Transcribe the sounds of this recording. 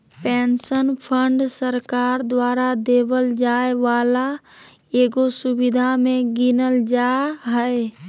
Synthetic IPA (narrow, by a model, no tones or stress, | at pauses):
pɛnsənpʰəɳɖsəɾkaːɾd̪waɾad̪ebəld͡ʒaeʋaːla | eːɡosubid̪ʱamẽɡinəld͡ʒaɦəe